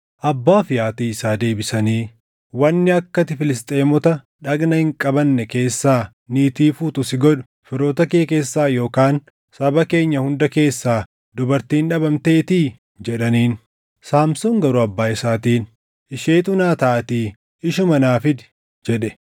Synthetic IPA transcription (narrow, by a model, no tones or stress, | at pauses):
ʔɐbːaːfɪjaːt̪iːɪsaːd̪e̞ːbɪsɐniː | wɐnːɪɐkːɐt̪ɪfɪlɪst̪ʼe̞ːmɔt̪ɐ | ᶑɐɡnɐhɪŋkʼɐbɐnːɛke̞ːsːaː | niːt̪iːfuːt̪ʊsɪɡɔᶑʊ̥ | fɪɾo̞ːt̪ɐkeːke̞ːsːaːjo̞ːkaːn | sɐbɐke̞ːɲːɐhʊnd̪ɐke̞ːsːaː | d̪ʊbɐɾt̪iːnᶑɐbɐmt̪e̞ːt̪iː | d͡ʒɛᶑɐniːn | saːmsʊŋɡɐɾʊɐbːaːɪsaːt̪iːn | ɪʃe̞ːt̪ʊnaːt̪ɐːɐt̪iː | ɪʃʊmɐnaːfɪd̪ɪ̥ | d͡ʒɛᶑɛ